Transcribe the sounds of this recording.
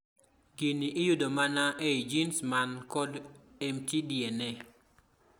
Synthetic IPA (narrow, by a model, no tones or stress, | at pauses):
kiniʔɪjudomanaʔeid͡ʒinsmankɔdɛmtidjenɛ